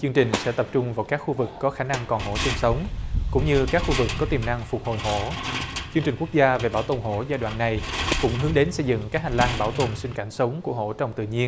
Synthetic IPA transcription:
t͡ɕɨ˧ŋt͡ɕï˨˩ŋ̟sɛ̰˧˥t̪ə˨˩p̚t͡ɕʊ˧ŋ͡mvaː˨˩wkaː˦˥k̚xu˧vɨ˨˩kːɔ˨˦xaː˧˩na˧ŋkɔ˨˩nho̰˧˩si˧nsə˨˦wŋ͡mkʊ̰˧˥ŋ͡mɲɨ˧kaː˦˥k̚xu˧vɨ˨˩kːɔ˨˦t̪i˨˩mna˧ŋfʊ˨˩k͡p̚ho˨˩jɦo̰˧˨t͡ɕɨ˧ŋt͡ɕï˨˩ŋ̟ku˦˥ək̚zaː˧ve˨˩ɓaː˧˩wt̪o˨˩nɦo̰˧˩˥zaː˧jɗwa̰ː˧˨nːa˨˩jkʊ̰˧˥ŋ͡mɦɨ˨˦əŋɗe˨˦nsə˧jzɨ̰˧˨ŋkaː˦˥k̚haː˨˩ŋlaː˧nɓaː˧˩wt̪o˨˩nsï˧ŋ̟ka˧˩nsə˨˦wŋ͡mku˧˩əɦo̰˧˩t͡ɕɔ˧˩wŋ͡mt̪ɨ̰˧˨ɲi˧ən

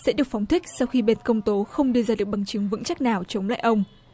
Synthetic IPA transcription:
sɛ̰˧˥ɗɨ˨˩ək̚fa˨˦wŋ͡mt̪ʰï˦˥k̟̚sa˧wxi˧ɓe˧nkə˧wŋ͡mt̪o˨˦xə˧wŋ͡mɗɨ˧əzaː˧ɨ˨˩ək̚ɓa˨˩ŋt͡ɕɨ˨˦ŋvɨ̰˧˥ŋt͡ɕa˦˥k̚naː˨˩wt͡ɕə˨˦wŋ͡mla̰ː˧˨jʔə˧wŋ͡m

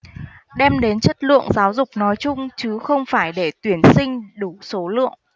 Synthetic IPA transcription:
ɗɛ˧mɗe˨˦nt͡ɕə˦˥t̚lɨ̰˧˨əŋzaː˨˦wzʊ˨˩k͡p̚nɔ˨˦jt͡ɕʊ˧ŋ͡mt͡ɕɨ˨˦xə˧wŋ͡mfaː˧˩jɗe˧˩t̪wi˧˩ənsï˧ŋ̟ɗu˧˩so˨˦lɨ̰˧˨əŋ

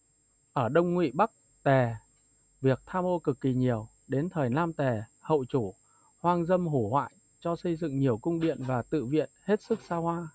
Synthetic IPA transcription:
ʔəː˧˩ɗə˧wŋ͡mŋwḭ˧˨ɓa˦˥k̚ | t̪ɛ˨˩ | vi˨˩ək̚t̪ʰaː˧mʔo˧kɨ˨˩kːi˨˩ɲi˨˩əw | ɗe˨˦nt̪ʰəː˨˩jnaː˧mt̪ɛ˨˩hə̰˧˨wt͡ɕu˧˩ | hwaː˧nzə˧mɦu˧˩hwa̰ː˧˨j | t͡ɕɔ˧sə˧jzɨ̰˧˨ŋɲi˨˩əwkʊ˧ŋ͡mɗḭ˧˨ənvaː˨˩t̪ɨ̰˧˨vḭ˧˨ənhe˦˥t̚sɨ˦˥k̚saː˧hwaː˧

